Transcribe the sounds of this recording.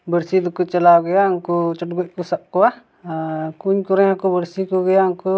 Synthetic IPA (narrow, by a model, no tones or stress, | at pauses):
bəɾsid̪ukut͡ʃəlawɡɛjauŋkɔt͡ʃɔt̚ɡɔc̚kusaʔkɔa | kuɲkuɾɛakubəɾsikuɡɛjauŋku